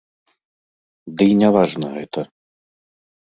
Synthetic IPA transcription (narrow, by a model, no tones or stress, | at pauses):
d̪ɨjnʲavaʐnɐɣɛt̪ɐ